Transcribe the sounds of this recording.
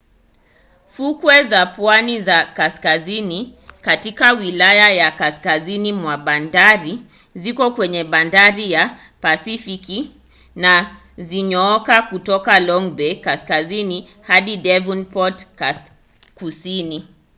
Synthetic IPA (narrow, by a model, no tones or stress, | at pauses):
fukwɛzapwanizakaskazinikatikawilajajakaskazinimwaɓandaɾi | zikɔkwɛɲɛɓandaɾija | pasifiki | na | ziɲɔɔkakutɔkalɔŋbɛkaskazini | haɗidɛvunpɔtka | kusini